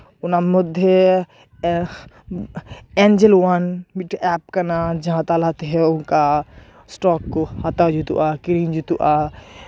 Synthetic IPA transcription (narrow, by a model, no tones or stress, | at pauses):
unamʊd̪ʱje | ɛnd͡ʒelwanmiʈɛpkənad͡ʒɐɦãt̪alat̪eɦɛʊnka | sʈɔkohat̪ad͡ʒut̪ṵʔakɾind͡ʒut̪uʔa